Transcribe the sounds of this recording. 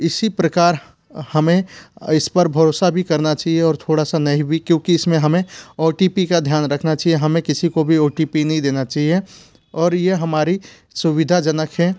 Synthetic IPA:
ɪsipɾəkaːɾ | hɐmẽɪspəɾbʱɐɾoːsabʱikɐɾnat͡ʃaːɦieɔːɾt̪ʰoːɽasanɐɦĩbʱikjõːkiɪsmẽɦɐmẽoːʈiːpikad̪ʱjaːnɾɐkʰnat͡ʃaːɦieɦɐmẽkɪsikobʱioːʈipinɐɦĩd̪eːnat͡ʃaːɦie | ɔːɾjeɦɐmaːɾi | sʊʋɪd̪ʱad͡ʒənəkʰɦɛ

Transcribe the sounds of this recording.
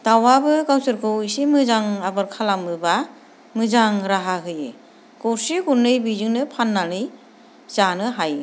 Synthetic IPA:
dawabɯɡawsɯɾkʰɯwisimɯzaŋabɯɾkʰalamɯba | mɯzaŋɾaɦaɡɯjɯ̰ | ɡ̥ɔɾsiɡuɾnːɯjbizɯŋnɯpʰanːanɯj | z̥anɯɦaj

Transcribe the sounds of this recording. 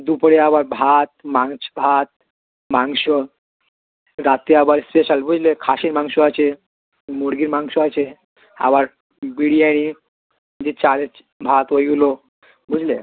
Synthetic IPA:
d̪upɽeabaɾbʱat̪̚maŋsbʱat̪̚ | mãŋɡɕɔ | ɾat̪iabaɾspeɕalbʱud͡ʑlekʰaɕiːnmaŋɡɕɔat͡ɕe | moɾɡiːnmaŋsɔat͡ɕe | a̰baɾ | biɽiaɽ̃i | d͡ʑet͡ɕale | bʱat̪ʋojɡlo | bʱud͡ʑle

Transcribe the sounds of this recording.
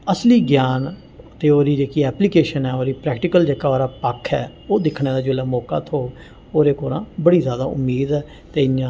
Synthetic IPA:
əsliːɡjaːn | t̪eːoːɾiːd͡ʒeːkiːɛːpliːkeːʃənɦɛːoːɾiːpɾɛːkʈɪkəld͡ʒeːkaːoːɾaːpəkʰɛː | oːd̪ɪkʰneːd̪aːd͡ʒʊlaːmɔːka̰ːt̪ʰoː | oːɾeːkoːɾã̰ːbəɽiːzjaːd̪aːʔʊ̰mːiːd̪ɛː | t̪eːɪjãː

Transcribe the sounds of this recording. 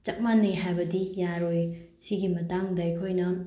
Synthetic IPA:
t͡ʃɐk̚manːɐjɦajbɐdijaɾoj | siɡimɐtaŋdɐɐjkʰojnɐ

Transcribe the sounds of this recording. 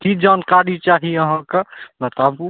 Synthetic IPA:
kid͡ʒankaɾit͡ʃaɦiəɦãkebət̪abu

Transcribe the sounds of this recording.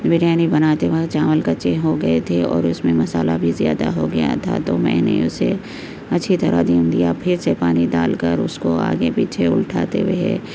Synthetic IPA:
bɪɾjaːnibɐnaːt̪eʋat͡ʃaːməlkat͡ʃeɦoɡɐet̪ʰeɔ̰ːɾʊsmẽmɐsaːlabʱizija̰ːd̪aɦoɡɐja̰t̪ʰa̰t̪omɛ̰̃ːnḛʊse | ɐtːʃʰit̪ɐɾa̰d̪iːmd̪ijapʰɪɾsepaːnid̪a̰ːlkəɾʊskoa̰ːɡepiːt͡ʃʰeʊlʈʰaːt̪eʋeɦɛː

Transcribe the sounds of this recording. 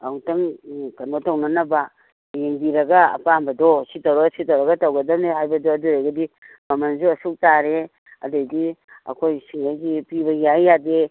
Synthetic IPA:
ɐwtɐŋkɐnotɐwnɐnɐbɐ | jeŋbiɾɐɡɐɐ̰pambɐdositɐwɾɐɡɐsitɐwɾɐɡɐtɐwɡɐdɐmdeɦajbɐdoɐduɾejɡɐdi | mɐmɐnsuɐsuk̚taɾe | ɐ̰dejdiɐ̰kʰojsiŋɡajɡipibɐjajːade

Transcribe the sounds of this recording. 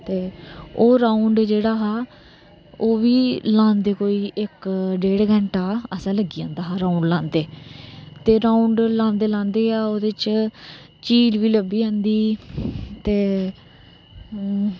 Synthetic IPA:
t̪eːoːɾãːʊɳɖd͡ʒeːɽaːɦaː | oːʋiːlãːnd̪eːkoːiːʔɪkɖeːɽɡɛ̃ːɳʈaːəsãːləɡiːãːnd̪aːɦaːɾãːuɳɖlãːnd̪eːt̪eːɾaːʊɳɖlãːnd̪eːlãːnd̪eːaːoːd̪ɪt͡ʃ | t͡ʃiːd͡ʒʋiːləbiːãːnd̪iː | t̪eː

